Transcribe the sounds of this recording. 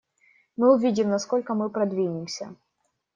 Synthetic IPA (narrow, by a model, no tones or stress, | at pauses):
mɨʊvʲidʲɪmnɐsko̞lʲkəmɨpɾɐd̪vʲinʲɪmsʲə̰